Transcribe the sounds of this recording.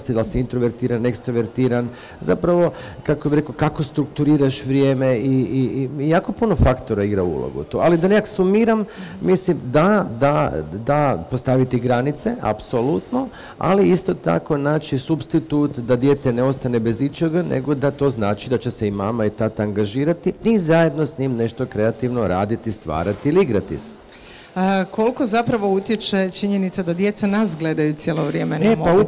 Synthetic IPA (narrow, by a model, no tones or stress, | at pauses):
st̪id̪alseint̪ɾoʋeɾt̪iːɾanekst̪ɾoʋeɾt̪iːɾan | za̰pɾaʋo̞ | kakobiɾekokako̞st̪ɾukt̪uɾiːɾaʃʋɾʲjeːmei | jaːko̞puno̞fakt̪o̞ɾaiɡɾaṵlˠo̰ɡṵt̪oalid̪ane̞kaksumiːɾammislimd̪ad̪ad̪apo̞st̪aʋit̪iɡɾanit̪se̞ʔa̰pso̞lˠut̪no | a̰liist̪o̞t̪a̰ko̞naːt͡ʃisubst̪it̪ut̪d̪ad̪je̞t̪eneo̞st̪anebe̞zit͡ʃeɡanʔḛɡo̞d̪at̪o̞ːznaːt͡ʃid̪at͡ɕe̞seima̰mait̪at̪aŋɡaʒiːɾat̪iizaje̞d̪no̞sɲimne̞ʃt̪o̞kɾe̞at̪iʋno̞ɾaːd̪it̪ist̪ʋa̰ːɾat̪iiliiɡɾat̪ḭse̥ | kʰo̞lko̞zapɾaʋo̞ut̪jet͡ʃet͡ʃiɲenit̪sad̪ad̪je̞t̪sanasɡled̪ajut̪sʲjeloʋɾjeːmenepau